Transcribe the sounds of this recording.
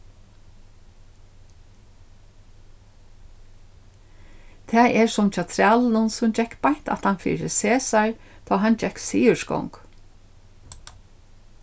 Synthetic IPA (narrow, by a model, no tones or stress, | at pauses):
t̪ʰɛːʔɛɹsʊmt͡ʃʰaːt̪ʰɾæːlnʊnsʊmd͡ʒɛkpajht̪a̰t̪hanfḭːɾəseːsaɹ | t̪ʰɔːɦand͡ʒɛksiːʏskɔ̰wŋk